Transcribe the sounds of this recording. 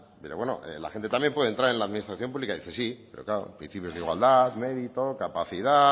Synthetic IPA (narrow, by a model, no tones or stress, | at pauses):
peɾoβweno̰ʔḛla̰xent̪e̞t̪ambje̞mpweð̞ent̪ɾaɾe̞nlaːðminist̪ɾaθjo̞mpuβlikaðiθe̞sipe̞ɾoklaɾopɾḭn̟θipjo̞zðiɣwa̰ld̪aðme̞ðit̪o̞kapaθiða